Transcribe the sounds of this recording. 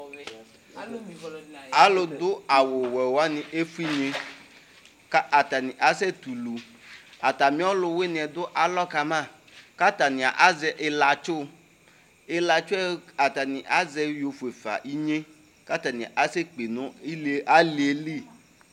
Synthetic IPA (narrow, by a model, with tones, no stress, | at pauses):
a˦lo˨d̪ʊ˦a˨wo˨wɛ˨wa˦nĩ˨ʔe˦fu˦i˦ɲẽ˦ | ka˦a˨t̪a˨nĩ˨ʔa˨sɛ˦t̪u˨lu˨ | a˨t̪a˨mĩ˦ɔ˦lʊ˨we˦nĩ˨ɛ˨d̪ʊ˦ʔa˨lɔ˦ka˨mã˦˨ | ka˦t̪a˨nĩ˨a̰˨ʔa˦zɛ˨ʔe˨la˨t͡ʃo˦ | e˨˦la˨t͡ʃo˦ɛ˦a˨t̪a˨nĩ˨ʔa˦zɛ˦jo˨fu˨e˨fa̰˨ʔi˦ɲẽ˦ | ka˦t̪a˨nĩ˨a̰˨ʔa˨se˦k͡pe˨nʊ̃˦i˦la˦li˨e˦li˦˨